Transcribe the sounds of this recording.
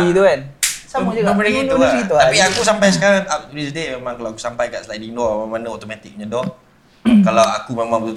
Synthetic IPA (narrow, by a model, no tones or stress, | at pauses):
it̪ukansamad͡ʒuɡabəniŋinuasɡit̪uapiakusampajs̬əkaɾaŋap̚t̪uɾisdememãŋkalaaku̥sampajkaʔslajdidɔmamanaɔt̪omat̪ik̚ɲãdɔh | kalawakumemãŋb̪